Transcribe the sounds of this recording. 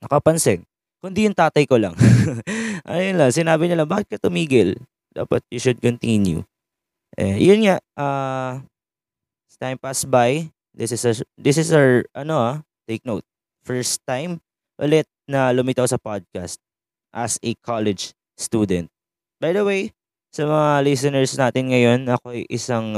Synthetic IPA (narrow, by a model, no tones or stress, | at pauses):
nɐkɐpɐnsɪŋ | kʊnd̪ijʊŋt̪aːt̪ɐjkolɐ̰ŋ | ʔɐ̰jonlɐŋsɪnaːbɪɲɐlɐŋbaːkɪt̪̚kɐt̪ʊmiːɡɪl | d̪a̰ːpɐ̰t̪̚jʊʃʊd̪̚kɔnt̪injṵ | ʔɛ̰jʊnŋaʔa | t̪ãjmpasbaj | d̪ɪsɪsɐd̪ɪsɪsɐɹʔɐno̞ʔa | t̪eɪk̚nowt̪̚ | fɛɹst̪ːãjm | ʔʊlɛt̪̚nɐlʊmit̪awsɐpad̪̚kast̪̚ | ʔɐsɛkʰalɛd͡ʒ | st̪uːd̪ɛ̃nt̪̚ | bajd̪ɐwej | sɐmɐŋalɪsɔnɛɹsnaːt̪ɪnŋɐjo̞nɐkoɐjʔɪsɐŋ